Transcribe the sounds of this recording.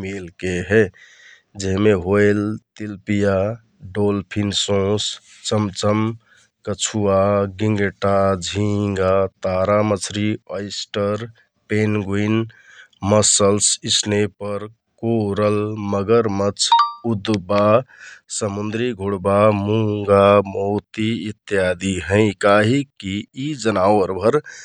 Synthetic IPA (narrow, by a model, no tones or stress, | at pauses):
milkeɦɛ | d͡ʒeɦmeɦoelt̪ilpija | ɖolpʰinsõs | t͡ʃəmt͡ʃəm | kət͡ʃʰuaɡiŋɡeʈad͡ʒʱiŋɡat̪aɾamət͡ʃʰɾiəɪsʈəɾ | penɡuinməsəlsisnepəɾ | koɾəlməɡəɾmət͡ʃʰud̪basəmund̪ɾiɡʱuɽbamuŋɡamoːt̪iːt̪ːjad̪iɦə̃ɪ̃kaɦikiːd͡ʒənawəɾbʱəɾ